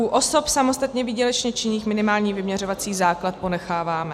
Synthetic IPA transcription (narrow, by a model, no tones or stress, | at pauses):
uʔo̞so̞psamost̪at̪ɲɛviːɟɛlɛt͡ʃɲɛt͡ʃɪɲiːxmɪnɪmaːlɲiːvɪmɲɛrovat͡siːzaːklat̪̚po̞nɛxaːvaːmɛ